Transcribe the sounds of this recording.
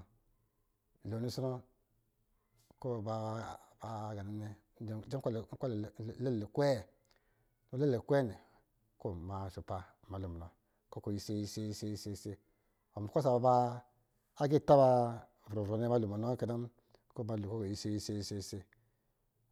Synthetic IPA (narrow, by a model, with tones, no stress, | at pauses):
lo˨ni˦sɔ˦no˦ | ko˦˨ba˨ba˨˦ɡa˨ni˦ne˦˨ | d͡ʒe˦lkʷa˦lle˦˨e˨kʷɛ˦˨ | no˦le˦le˨kʷɛ˦˨ne˨ | ko˦˨ma˨ʃu˨pa˨ma˨lu˨ma˨o˨ | ko˦ko˨ji˨se˦ji˦se˦i˦se˦i˦se˦se˦ | o˨m˨ko˦s̬a˨ba˨baː˦ | ɡi˦˨ta˦ba˦˨ | vɾo˨vɾo˨ne˦ma˦lu˨ma˨no˦ke˨da˦m | ko˦ba˨˦lko˦ko˨ji˨se˦ji˦se˦i˦se˦se˦